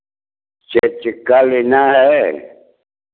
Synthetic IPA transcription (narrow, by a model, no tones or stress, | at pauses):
t͡ʃet͡ʃikalinaɦe